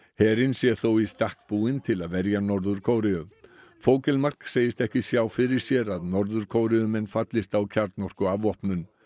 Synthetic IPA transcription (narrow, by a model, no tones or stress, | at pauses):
hɛːɾɪnsjɛθowist̪ahk̚puːɪnt̪ʰɪlaðvɛɾjanɔɾðʏɾ̥kʰoːwɾɪʏm | foːwcɛlmar̥kseːjɪst̪ɛhcɪsjaːwfɪɾɪɾ̥sjɛɾaðnɔɾðʏɾ̥kʰoːwɾɪʏmɛnːfat̪lɪst̪awcʰaɾt̪nɔr̥kʏavɔhpnʏn